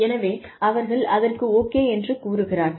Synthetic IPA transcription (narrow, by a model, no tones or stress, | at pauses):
ɛnɐʋeːɐʋɐɾɣɐɭɐðɐrkɯoːkːeːɛndrɯkuːɾɯɣɪraːɾ